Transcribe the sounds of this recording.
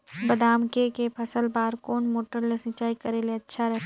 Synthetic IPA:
bɐd̪aːmkekepʰɐsəlbaːɾkoːnmoːʈəɾlesɪ̃t͡ʃaːikɐɾeleɐtːʃʰaɾɐɦt̪ː

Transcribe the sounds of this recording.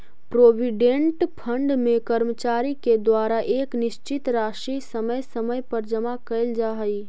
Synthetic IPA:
pɾoːʋiɖẽɳʈpʰə̃ɳɖmẽkəɾmət͡ʃaːɾiked̪waːɾaʔeːknɪʃt͡ʃɪt̪ɾaːʃisəməjsəməjpəɾd͡ʒəmakəɪld͡ʒaɦəi

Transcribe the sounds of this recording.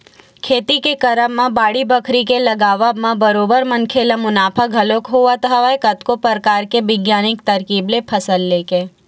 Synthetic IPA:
kʰeːt̪ikekəɾəmːãbaːɽibəkʰɾikelɐɡaːʋamãbəɾoːbəɾmənkʰeːlãmʊnaːpʰaɡʱɐlõkɦuʋat̪ɦaʋakət̪kopəɾkaːɾkeʋɪɡjaːnɪkt̪ɐɾkiːblepʰɐsəlːeːkeː

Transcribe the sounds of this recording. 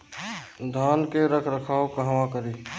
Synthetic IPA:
d̪ʱaːnkeɾəkʰɾəkʰaːokəɦʋãkəɾiː

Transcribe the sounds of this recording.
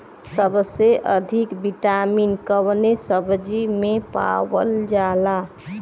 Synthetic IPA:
səbseʔəd̪ʱikbiʈaminkəwnesəbd͡ʒimepa̰wəld͡ʒala

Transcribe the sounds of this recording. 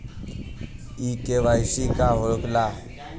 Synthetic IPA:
ikeʋajsikaɦokla

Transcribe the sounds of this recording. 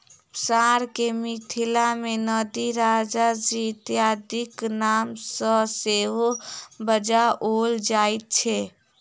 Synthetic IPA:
psaɾkemit̪ʰilamenəd̪iɾad͡ʒad͡ʒit̪jad̪iknamsə̃seɦobəd͡ʒaʔold͡ʒajt̪̚t͡ʃʰɛ

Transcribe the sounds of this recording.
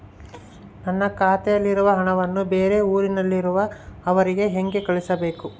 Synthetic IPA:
nɐnːɐkaːt̪ɛjɐlːiɾuʋɐɦɐɳɐʋɐnːube̞ːɾe̞uːɾinɐlːiɾuʋɐɐʋɐɾiɡe̞ɦeŋɡe̞kɐɭisɐbe̞ːku

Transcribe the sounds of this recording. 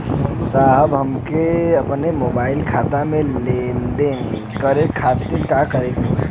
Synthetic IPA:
saɦəbɦəmkeəpnemobaɪlkʰat̪amẽlend̪en | kəɾekʰat̪iɾkakəɾeko

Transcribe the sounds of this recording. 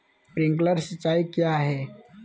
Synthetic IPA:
pɾɪ̃ŋkləɾsət͡ʃːaːikjaɦɛː

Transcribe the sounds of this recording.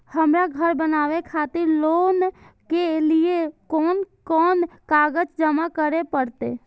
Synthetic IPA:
həmɾaɡʱəɾbənaːʋekʰat̪ɪɾloːnkeliekɔːn | kɔːnkaɡəd͡ʒd͡ʒəmakəɾepəɾt̪ḛ

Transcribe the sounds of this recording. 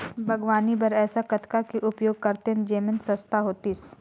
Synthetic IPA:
bʱɐɡʋaːnibɐɾɛːsakɐt̪ʰkakiʔʊpjoːɡ̚kɐɾt̪end͡ʒeːmɪnsɐ̃st̪aɦoːt̪is

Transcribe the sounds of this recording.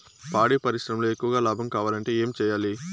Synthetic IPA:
paːɽiːpɐɾiʃɾɐmloːekːuʋɐɡaːlaːbʱɐmkaːʋaːlɐɳʈe̞ːeːmit͡ʃɛːjaːli

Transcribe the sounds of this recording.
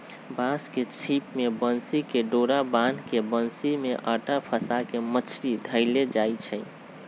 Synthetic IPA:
basket͡ʃʰipmebənsikeɖoɾabankebənsimeʔəʈapʰəsakemət͡ʃʰɾid̪ʱəɪled͡ʒait͡ʃʰɛ

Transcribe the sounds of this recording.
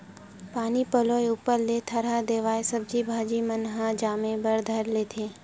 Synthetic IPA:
paːnipəloːjʊpəɾlet̪ʰəɾad̪eːʋaːesəb̚d͡ʒibʱaːd͡ʒimənɦãd͡ʒaːmẽbəɾd̪ʱəɾleːt̪ʰeː

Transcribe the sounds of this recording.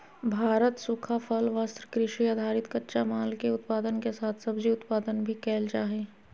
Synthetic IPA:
bʱaːɾət̪sʊkʰapʰəlʋast̪ɾəkɾɪʃiaːd̪ʱaːɾɪt̪kətːʃamaːlkeʊt̪paːd̪ənkesaːt̪ʰsɐbd͡ʒiʊt̪paːd̪ənbʱikɛːld͡ʒaːɦẽː

